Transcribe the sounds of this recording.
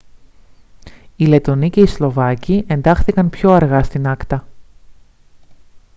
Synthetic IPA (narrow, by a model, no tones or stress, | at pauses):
ile̞t̪o̞nice̞islo̞vɐciʔe̞nd̪ɐxθikɐnpço̞ɐɾɣɐst̪inɐkt̪ɐ